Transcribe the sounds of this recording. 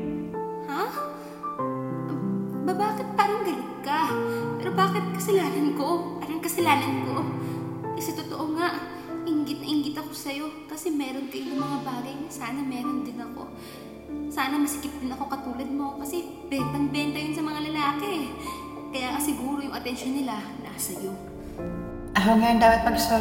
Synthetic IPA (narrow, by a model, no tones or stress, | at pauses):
ha | ʔɐbabaːkɪt̪̚paːɾɐŋɡ̪ɐlɪt̪̚kɐpɛːɾo̞baːkɪt̪̚kɐsɐlaːnɐnko̞paɾɐŋkɐsɐlaːnɐnko̞ | ʔɪsɐt̪ot̪oʔoŋaʔ | ʔɪŋɡɪt̪nɐʔɪŋɡɪt̪ɐko̞sɐjo̞kɐsɛmɛːɾo̞nkɐjojʊŋmɐŋabaːɡɐjnɐsaːnɐmɛːɾo̞nd̪ɪnɐko̞̰ | saːnɐmɐsɪkɪp̚d̪ɪnɐko̞kɐt̪uːlɐd̪̚mokɐsɛ | bɛp̪ɐŋbɛnt̪ɐjonsɐmɐŋalɐlaːkɛ | kɐjaːŋɐsɪɡuːɾo̞jʊŋʔɐt̪ɛnʃonːɪla | nasɐjo̞ | ʔɐɦaŋɐjond̪aːpɐt̪̚pɐɡso